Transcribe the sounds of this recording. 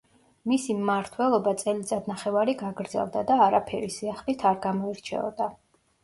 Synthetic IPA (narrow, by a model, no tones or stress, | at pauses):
misimmaɾt̪ʰwɛlˠɔbat̪sʼɛlid̪zad̪̚naχɛvaɾiɡaɡɾd̪zɛ̰lˠd̪ad̪aːɾapʰɛ̰ɾisiaχlit̪ʰaɾɡamɔiɾt͡ʃʰɛ̰ɔ̰d̪a